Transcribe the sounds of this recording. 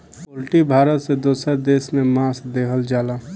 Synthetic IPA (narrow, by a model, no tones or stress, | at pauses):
olʈibʱaːɾət̪sed̪oːsəɾd̪eːsmẽmaːsd̪eːkʰəld͡ʒaːla